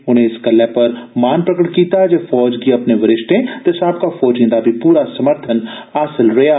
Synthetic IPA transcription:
ʊn̤ẽɪskɐlɛpɐɾmaːnpɾəkəʈkiːt̪aɛd͡ʒeːfɔːd͡ʒɡiɐpneʋɐɾɪʃʈ̪ẽt̪esaːbkafɔːd͡ʒĩːnd̪abʱipuːɾasɐməɾt̪ʰən | aːsɪlɾɐjaː

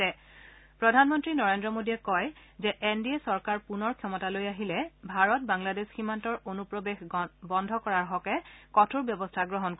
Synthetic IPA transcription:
ɛ | pɹɔdʱanmɔntɹinɔɹendɹɔmodiɛkɔjzɛʔendiɛsɔɹkaɹpunɔɹkʰjɔmɔtalojaɦilɛbʱaɹɔt̚baŋladesximantɔɹonupɹobexbɔndʱɔkɔɹaɹɦɔkɛkɔtʰuɹbjɔbɔstʰaɡɹɔɦɔnk

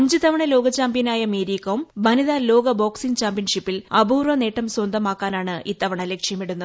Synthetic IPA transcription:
ɐɲd͡ʑɨt̪ɐʋɐɳɐlo̞ːɡɐt͡ɕaːmbjɐnaːjɐmeːɾiːkːɐʋumʋɐniðaːlo̞ːɡɐbo̞ːksint͡ɕaːmbjɐnʂipːilɐbuːrʋɐne̞ːʈːɐmswɐnd̪ɐmaːkːaːnaːɳɨʔiːt̪ːɐʋɐɳɐlekʂjɐmiɽunːɐ

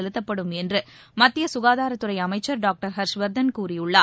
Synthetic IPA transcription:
ɛlɯt̪ːɐpːɐɽɯmɛndrɯ | mɐt̪ːɪjɐsʊɣaːðaːɾɐt̪ːɯɾɐɪɐmɐɪt͡ʃːɐɾɖaːk̚ʈɐɾɦɐɾʂʋɐɾd̪ɐnkuːrijɯɭːaː

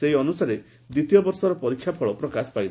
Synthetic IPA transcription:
seɦiɔnusaɾe | d̪it̪ijɔbɔɾsɔɾɔpɔɾikʰːjapʰɔɭɔpɾɔkasɔ̥pajb

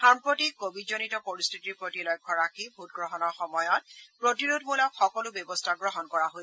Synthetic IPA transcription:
aɹmpotikobʱidd͡ʒonitɔpoɹistʰitiɹpɹotilɔjkʰːɔɹakʰibʱut̚ɡɹɔɦɔnɔɹxɔmɔjɔt̚pɹotiɹudmulɔxɔkɔlʊbjɔbɔstʰaɡɹɔɦɔnkɔɹaɦo

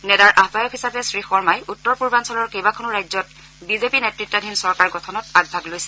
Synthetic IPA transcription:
nɛdaɹʔabajɔkhisapɛsɹixɔɹmajutːɔɹpuɹbansɔlɔɹkejbakʰɔnuɹajzɔt̚ | bizepinetɹitːɔdʱinsɔɹkaɹɡɔtʰɔnɔt̚aɡ̚bʱaɡlojsɛ

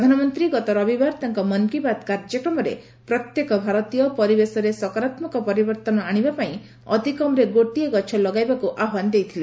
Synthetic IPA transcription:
d̪ʱanɔmɔnt̪ɾiɡɔt̪ɔɾɔbibaɾt̪aŋkɔmɔnkibat̪kaɾd͡ʒɔkɾɔmɔɾḛ | pɾɔt̪jekɔbʱaɾɔt̪ijɔpɔɾibesɔɾesɔkɔɾat̪mɔkɔpɔɾibɔɾt̪ɔnɔaɽ̃ibapaĩ | ɔ̰t̪ikɔmɾeɡoʈiɔɡɔt͡ʃʰɔlɔɡajbakuʔaɦwand̪ejt̪ʰile

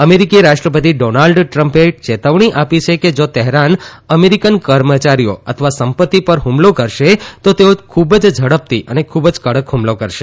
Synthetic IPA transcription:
əmeɾikiɾaʃʈɾəpət̪̬iɖonalɖʈɾəmpet͡ʃet̪əʋɳ̃iʔapit͡ʃʰeked͡ʒot̪ɛɦɾanəmeɾikənkəɾmət͡ʃaɾijo̰ə̰t̪ʰəʋasəmpət̪ːipəɾɦumlokəɾʃet̪ot̪eokʰubəd͡ʒd͡ʒʱəɽəp̚t̪iʔənekʰubd͡ʒkəɽəkɦumlokəɾʃe

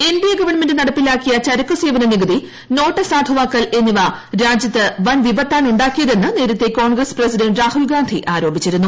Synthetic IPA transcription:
e̞nbijɐɡɐʋɐɳmendɨnɐɽɐpːilaːkːijɐt͡ɕɐɾɐkːuseːʋɐnɐniɡɐd̪i | no̞ːʈːɐsaːd̪ʱɐʋaːkːɐle̞nːiʋaɾaːd͡ʑjɐt̪ːɨʋɐnʋibɐt̪ːaːnuɳɖaːkːijɐðe̞nːɨne̞ːɾɐt̪ːe̞ko̞ːɳɡrɐsprɐsidɐɳɖɾaːhulɡaːnd̪ʱiʔaːɾo̞ːbʱit͡ɕːiɾunːu

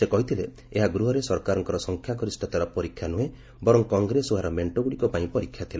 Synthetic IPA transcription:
sekɔɦit̪ʰile | eɦaɡɾuɦɔɾesɔɾkaɾɔŋkɔɾɔsɔŋkʰjaɡɔɾisʈʰɔt̪aɾapɔɾikʰːjanue | bɔɾɔŋkɔŋɡɾesuɦaɾɔmeɳʈoɡuɽikɔpaĩpɔɾikʰjat̪ʰila

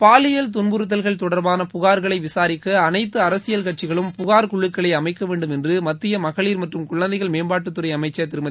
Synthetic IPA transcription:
paːlɪjɐlt̪̬ʊnbɯɾɯt̪ːɐlɣɐɭt̪ɔɽɐɾbaːnɐpʊɣaːɾɣɐɭɐɪʋɪsaːɾɪkːɐːnɐɪt̪ːɯɐɾɐsɪjɐlkɐʈ̚t͡ʃɪɣɐɭɯmpʊɣaːɾkʊɭːɯkːɐɭɐɪɐmɐɪkːɐʋeːɳɖɯmɛndrɯmɐt̪ːɪjɐmɐɣɐɭiːɾmɐʈrɯmkʊɭːɐnd̪ɐɪɣɐɭmeːmbaːʈːɯt̪ːɯɾɐɪɐmɐɪt͡ʃːɐt̪ɪɾɯmɐ

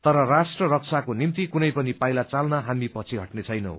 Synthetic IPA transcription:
t̪ʌɾʌrasʈrʌrʌk̚t͡sʰakonimt̪ikunʌjpʌnipajlat͡salnʌɦamipʌt͡sʰiɦʌʈnet͡sʰʌjnʌ̰w

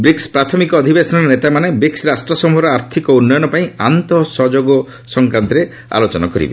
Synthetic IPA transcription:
bɾikspɾat̪ʰɔmikɔːd̪ʱibesɔnɔɾnet̪amanebɾiksɾasʈɾɔsɔmuɦɔɾɔaɾt̪ʰikɔunːɔjɔnɔpaĩant̪ɔsɔd͡ʒoɡɔ | sɔŋkɾant̪ɔɾe | a̰lot͡ʃɔnakɔɾḭbḛ

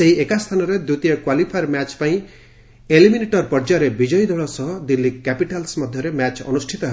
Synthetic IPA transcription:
seɦiekast̪ʰanɔɾed̪ɾut̪ijɔkwalipʰajɾmat͡ʃpaĩ | elimineʈɔɾpɔɾd͡ʒaɾebid͡ʒɔjd̪ʱɔɭɔsɔɦɔd̪ilːikːæpiʈalsmɔd̪ʱjɔɾemat͡ʃɔ̰nusʈʰit̪ɔɦe

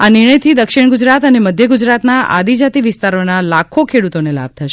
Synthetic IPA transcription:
aniɾɳ̃əjt̪ʰid̪əkʃiɳɡʊd͡ʒɾat̪əneməd̪ʱjəɡʊd͡ʒɾat̪naa̰d̪id͡ʒat̪iʋɪst̪aɾonalakʰokʰeɽut̪onela̰b̚t̪ʰəʃe

